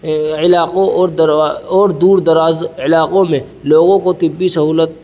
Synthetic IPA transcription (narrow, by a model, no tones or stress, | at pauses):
ɪlaːqoːɾd̪ɾɔːɾd̪uːɾd̪ɐɾaːzɪlaːqõmẽ | loːɡõkot̪ɪbːisɐɦuːlət̪̚